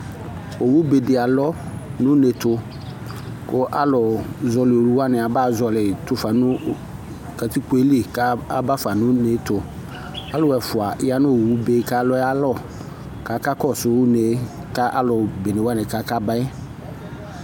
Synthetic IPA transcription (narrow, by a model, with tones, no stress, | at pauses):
o˨wu˦be˨dɪ˨a˨lɔ˦ | nʊ̃˦ne˨t̪ʊ˨ | kʊ˦ʔa˦lɔ˨zɔ˨lɪ˨o˨ɾu˦wa˦˨nɪ˨a˨ba˦˨zɔ˨lɪ˨t̪ʊ˦fa˨nʊ̃˦ | ka˨t̪i˦k͡po˨˦e˦li˦˨ka˦a˦ba˦fa˨nʊ̃˦ne˨˦t̪ʊ˨ | a˦lɔ˨wɛ˨fʊ˨a˨ʔɪ˦a˦nʊ̃˦˨wu˦be˦ka˦lɔ˦a˦lɔ˦˨ | ka˨˦ka˦kɔ˦˨sʊ˨˦wne˨˦ | ka˦ʔa˦lɔ˨be˨ne˨wa˦˨nɪ˨ka˦ka˦ba˦ɛ˦